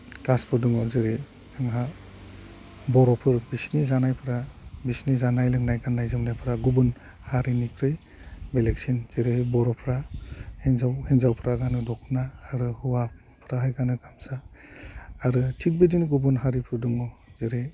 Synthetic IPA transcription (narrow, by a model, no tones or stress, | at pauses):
ɡaspʰɯɾduŋɔzeɾe | zɯŋɦa | bɔɾɔpʰɯɾbisnizanajpʰɯɾabisnizanajlɯŋnajɡanːajzɯmnajpʰɯɾaɡubun | haɾinikʰɾɯj | beleksinz̥eɾebɔɾɔpʰɾahenzawhenzawpʰɾaɡanɯdɔkʰnaːɾɯhuwa | pʰɾaɦajɡanɯɡamsaː | ɾɯtʰik̚bidinɡubunɦaɾipʰɯɾduŋɔzeɾe